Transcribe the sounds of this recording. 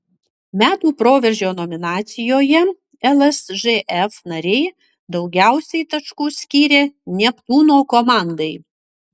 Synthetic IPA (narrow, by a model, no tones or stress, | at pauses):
mʲæːt̪uːpɾoːʋʲɛɾʲʒʲoːnɔmʲɪnɑːt̪sʲɪjoːjɛ | ɛlˠɛsʒeʔɛfnɐɾʲɛɪ | d̪ɒʊɡʲæˑʊsʲɛɪt̪ɐʃkuːsʲkʲiːɾʲeːnʲɛplˠuːnoːkɔmɑˑnd̪ɐɪ